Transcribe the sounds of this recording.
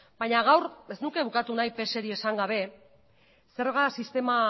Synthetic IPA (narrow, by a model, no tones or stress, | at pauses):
baɲaɣawɾeznuke̞βukat̪unajpe̞se̞ɾie̞saŋɡaβ̞e̞ | se̞ɾɣasist̪e̞ma